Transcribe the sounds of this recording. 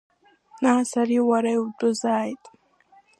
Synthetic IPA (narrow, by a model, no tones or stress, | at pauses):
naasaɾiwaɾaiwdʼʊzaːjtʼ